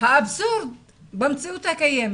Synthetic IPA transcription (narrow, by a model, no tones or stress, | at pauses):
haʔabsuɾd̪ | bamt͡siʔut̪hakajem